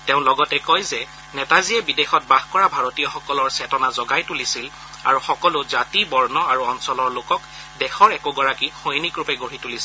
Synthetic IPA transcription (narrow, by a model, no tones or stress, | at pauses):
teʊ̃lɔɡɔtɛkɔjzɛ | nɛtazijɛbidexɔt̚baɦkɔɹabʱaɹotijɔxɔkɔlɔɹsɛtɔnazɔɡajtulisil | a̰ɹuxɔkɔlʊzatibɔɹnɔaɹuɔnsɔlɔɹlokɔk | dɛxɔɹɛkʊɡɔɹakixojnikɹupɛɡoɹitulisil